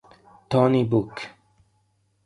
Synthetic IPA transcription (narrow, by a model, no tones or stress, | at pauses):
t̪ʰɔnibuk